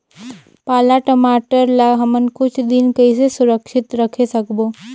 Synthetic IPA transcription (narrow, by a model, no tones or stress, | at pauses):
paːlaʈəmaːʈəɾlaɦəmənkʊt͡ʃʰd̪ɪnkəisesʊɾəkʃɪt̪ɾəkʰesɐkboː